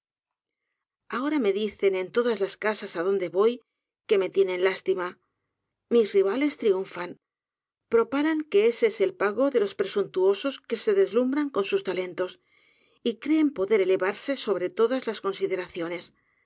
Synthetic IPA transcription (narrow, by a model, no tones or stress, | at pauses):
ao̞ɾame̞ðiθe̞ne̞nt̪o̞ðazlaskasasaðo̞nd̪e̞βo̞j | ke̞me̞t̪je̞nẽ̞nlast̪ima | mizriβ̞ale̞st̪ɾiuɱfan | pɾo̞paɾaŋke̞esese̞lpaɣo̞ðe̞lo̞spɾe̞sunt̪uo̞so̞ske̞se̞ðe̞zlumbɾaŋko̞nsust̪ale̞nt̪o̞s | ikɾe̞ːmpo̞ðe̞ɾe̞le̞βaɾse̞so̞β̞ɾe̞t̪o̞ðazlasko̞nsiðe̞ɾaθjo̞ne̞s